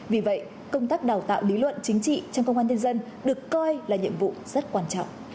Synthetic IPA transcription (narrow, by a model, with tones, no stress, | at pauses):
vi˨˩və̰˧˨j | kə˧wŋ͡mt̪aː˦˥k̚ɗaː˨˩wt̪a̰ː˧˨wli˨˦lwə̰˧˨nt͡ɕï˨˦ŋ̟t͡ɕḭ˧˨t͡ɕɔ˧wŋ͡mkə˧wŋ͡mʔaː˧nə˧nzə˧n | ɗɨ˨˩əkːɔ˧jlaː˨˩ɲḭ˧˨əmvṵ˧˨z̥ə˦˥t̚kwaː˧nt͡ɕɔ̰˧˨wŋ͡m